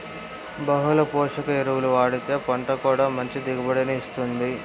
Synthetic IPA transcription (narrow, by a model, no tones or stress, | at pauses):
bɐɦulɐpɔːʂɐkɐiɾuwuluʋaːɽit̪e̞ːpɐɳʈɐkuːɽaːmɐɲt͡ʃid̪iɡɐbɐɽɐniːst̪und̪i